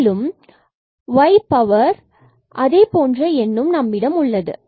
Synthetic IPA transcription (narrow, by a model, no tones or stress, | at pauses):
lɯm | ʋɐɪpːɐʋɐɾ | ʔɐðeːpoːndrɐɛnːɯmnɐmːɪɽɐmʊɭːɐðɯ̰